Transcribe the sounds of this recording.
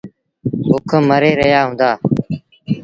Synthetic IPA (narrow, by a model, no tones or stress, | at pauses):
bʊkʰəməɾeːɾəɦjaːɦʊ̃ːnd̪aː